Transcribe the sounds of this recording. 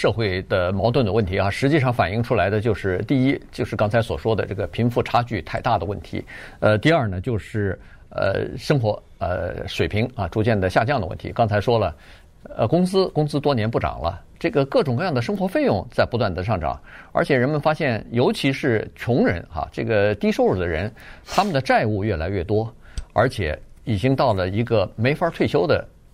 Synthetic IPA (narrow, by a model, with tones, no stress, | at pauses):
ʂɤ˥˧xwe˥˩ɪd̪ə˩mɑ˧˥ʊt̪̬wə˥˩nd̪ə˩wə˥˩nt̪ʰi˧˥xa˥˧ʂɻ̩˧˥t͡ɕi˥˧ʂɑ˥˩ŋfa˨˩ni˥˩ŋʈ͡ʂʰu˥la˧˥ɪd̪ə˧t͡ɕjo˥˧ʊʂɻ̩˥˧t̪i˥˩i˥t͡ɕjo˥˧ʂɻ̩˥˩kɑ˥ŋt͡sʰa˧˥ɪswɔ˨˩ʂwɔ˥d̪ə̰˨ʈ͡ʂɤ̰˥˩ɡə˩pʰi˧˥ŋfu˥˩ʈ͡ʂʰa˥t͡ɕy˥˧t̪ʰa˥˧ɪt̪a˥˩d̪ə˩wə˥˩nt̪ʰḭ˧˥ə˧t̪i˥˧ɐ˞˥˩nə˩t͡ɕjo˥˧ʊʂɻ̩˥˩ | ə̰˧ʂɤ˥ŋxwɔ˧˥ | ə̰˧ʂwe˨˩ɪpʰi˧˥ŋa˧ʈ͡ʂu˧˥t͡ɕjɛ˥˩nd̪ə˩ɕja˥˧t͡ɕjɑ˥˩ŋd̪ə˩wə̰˥˩nt̪ʰḭ˧˥kɑ˥ŋt͡sʰa˧˥ɪʂwɔ˥lə˨ | ə̰˧kʊ˥ŋsɹ̩˥kʊ˥ŋsɹ̩˥t̪wɔ˥njɛ˧˥npu˥˩ʈ͡ʂɑ̰˨˩ŋlə̰˦ | ʈ͡ʂɤ˥˩ɡə˩kɤ˥˩ʈ͡ʂʊ˨˩ŋkɤ˥˧jɑ˥˩ŋd̪ə˩ʂ̬ɤ˥ŋxwɔ˧˥fe˥˧ɪjʊ˥˩˧ŋt͡sa˥˩ɪpu˧˥t̪wa˥˩nd̪ə˩ʂɑ˥˩ŋʈ͡ʂɑ̰˨˩˦ŋə̰˞˧˥t͡ɕʰjɛ˨˩ɻə˧˥nmə˨nfa˥ɕjɛ˥˩njo˧˥ʊt͡ɕʰi˧˥ʂɻ̩˥˩t͡ɕʰʊ˧˥ŋɻə̰˧˥nxa̰˧ʈ͡ʂɤ˥˩ɡə˩t̪i˥ʂo˥˧ʊɻu˨˩d̪ə˦ɻə̰˧˥nt̪ʰa˥mə˨nd̪ə˩ʈ͡ʂa˥˧ɪu˥˧ɥɛ˥˩la˧˥ɪɥɛ˥˩t̪wɔ˥ə̰˞˧˥t͡ɕʰjɛ̰˨˩˥i˨˩t͡ɕi˥ŋt̪ɑ˥˩ʊlə˩i˧˥ɡə˧me˧˥ɪfa˧˥t̪ʰwe˥˩ɪɕjo˥ʊd̪ə̰˨